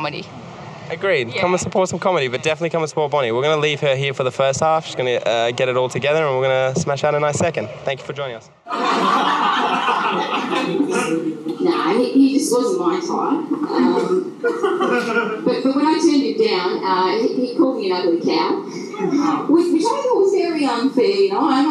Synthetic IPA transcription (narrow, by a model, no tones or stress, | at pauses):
ɾḭ | ɨɡɹid̚ʰʌ̃mə̃nsəpʰɔɹtsʌ̃mkʰɑmɨɾibʌt̚d̥ɛfənətˡlikʌ̃mənsə̥pɔɹt̚b̥ɑɾ̃iwɪɹɡʌnəliv̥ə˞ɦiɹfə˞ðəfɜ˞st̚hæfʃizɡʌnɨʔʌɡɛɾɨɾɔlˠtʰɨɡɛðə˞ə̃nwɪɹɡʌnəsmæʃaʊɾɨ̃naɪsɛkɨ̃nd̥θæ̃ŋkjʉ̥fə˞d͡ʒɔ̃ɪñɪ̃ŋʌs | noʊa̰ɪihid͡ʒʌswʌzə̃mãɪ̃ntʰa̰ɪʌ̃m | b̥ʌt̚b̥ʌt̚wə̃ñaɪtʰɜ̃˞nd͡ʒɨdãʊ̃nʌihikʰɔlˠd̚miɨ̃nʌðəɨkʰãʊ̃nt̚ | wɪðwɨt͡ʃʰaɔzɛɹiʌ̃nfinoãɪ